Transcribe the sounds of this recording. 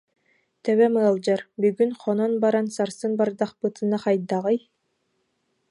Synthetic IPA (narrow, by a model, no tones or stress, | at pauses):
t̪ɛβɛmɯɑlˠd͡ʑaɾbyɡynχʰɔnɔnbaɾansaɾsɯnbaɾd̪ɑχpɯt̪ɯnaqɑjd̪ɑʁɯj